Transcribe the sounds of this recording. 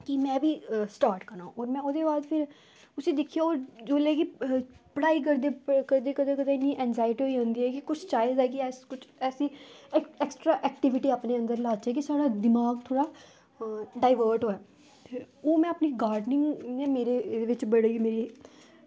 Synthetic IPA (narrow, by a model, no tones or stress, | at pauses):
kimɛ̃ːbʱiːsʈaːɾʈkəɾnãːɔːɾmɛ̃ːʊd̪eːbaːd̪pʰɪɾ | ʊsiːd̪ɪkʰːijaoːɾd͡ʒoːleːkipəɽaːiːk̬əɾd̪eːkəɾd̪eːkəd̪ẽːkəd̪ãːɪnːiʔɛ̃ːnzaːɪʈiːɦoːiɦõːnd̪iːɦɛːkikʊt͡ʃʰt͡ʃaːɪzɛːkiɛːskʊt͡ʃʰɛːsiːɛɛksʈɾaːʔɛːkʈɪʋɪʈiːaːpneːə̃nd̪əɾlaːt͡ʃɛːk̬isaːɽaːd̪ɪmaːɡ̚t̪ʰoːɽaː | ɖaːɪʋəːɾʈɦoːɛː | oːmɛ̃ːəpniːɡaːɾɖnɪ̃ŋɡneːmeːɾeʋɪt͡ʃbəɽeimeːɾi